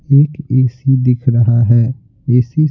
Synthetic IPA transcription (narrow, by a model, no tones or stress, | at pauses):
eːkeːsid̪ɪkʰɾɐɦaɦɛː | eːsi